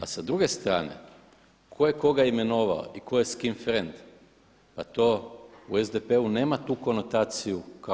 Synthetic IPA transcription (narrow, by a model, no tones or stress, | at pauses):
asad̪ɾuɡe̞st̪ɾa̰ːne̞̰ | kʰo̞jeko̞ɡaime̞no̞ʋa̰o̰iko̞jeskimfɾend̪ | pat̪ouezd̪epeune̞ːmat̪uːko̞no̞t̪aːt̪sijuka